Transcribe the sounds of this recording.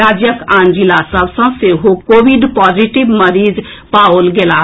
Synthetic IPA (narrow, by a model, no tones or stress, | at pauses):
ad͡ʒjəkãnd͡ʒilasəbsə̃seɦokobiɖpɔd͡ʒiʈibməɾid͡ʒ | paolɡela